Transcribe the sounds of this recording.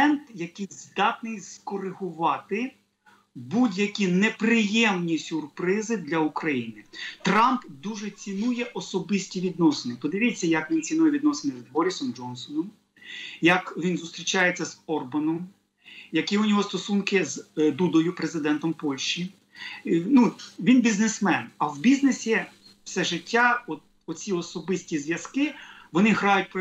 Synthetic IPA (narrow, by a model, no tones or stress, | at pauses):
ɛnt̪jɐkɪjzd̪ɑt̪nɪjskɔɾɪɦʊʋɑt̪ɪ | budʲjɐkʲinepɾɪjɛmnʲisʲʊrpɾɪzɪd̪lʲɐukɾɐjinɪt̪ɾɑmpd̪uʒɛt͡sʲinujɛʔɔsɔbɪsʲtʲiʋʲid̪nɔsenɪpɔd̪ɪʋʲit͡sʲːɐjɐkʋʲint͡sʲinujɛʋʲid̪nɔsenɪzbɔɾʲisɔmd͡ʒɔnsɔnɔm | jɐkʋʲinzʊst̪ɾʲit͡ʃɑjet͡sʲːɐzɔrbɐnɔm | jɐkiʊnʲɔɦɔst̪ɔsunkɪzd̪ud̪ɔjʊpɾezɪd̪ɛnt̪ɔmpɔlʲʃt͡ʃi | nuʋʲinbʲiznesmɛnɐwbʲiznesʲiwsɛʒɪtʲːaɔt̪̚ | ɔt͡sʲiɔsɔbɪsʲtʲizʋʲjɐskɪʋɔnɪɦɾɑjʊt̚ʲpɔ